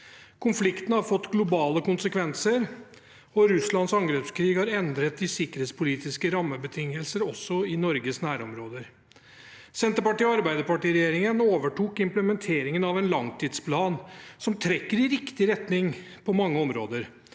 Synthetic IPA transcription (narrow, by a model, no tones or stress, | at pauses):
kʰʊnflɪkt̪nəhɑɾfɔt̪ːɡlʊbɑːləkʊnsəkʋɛnsəɾ | ɔɾʉslɑnsɑŋɡɾɛpskʰɾiːɡhɑɾɛnd̪ɾət̪ɪsɪkəɾheːt̪spʊliːt̪ɪskəɾɑmːəbət̪ʰɪŋːəlsəɾɔsːɔɪnɔɾɡəsnæːɾɔmɾoːd̪əɾ | sɛnt̪əpɑʈiːɑɾbæɪd̪əpɑʈiːɾɛjeːɾɪŋənoːʋəʈʰuːkɪmpləmɛnt̪ʰeːɾɪŋənɑʋɛnlɑŋt̪ʰiːd̪spʰlɑːnsɔmt̪ʰɾɛkːəɾɪɾɪkt̪ɪɾɛt̪nɪŋpʰɔmɑŋːəɔmɾoːd̪əɾ